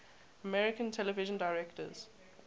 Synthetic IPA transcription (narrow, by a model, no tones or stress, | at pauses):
əmɛɹɪkə̃ntʰɛləvɪʒə̃ndaɪɹɛktə̰z̥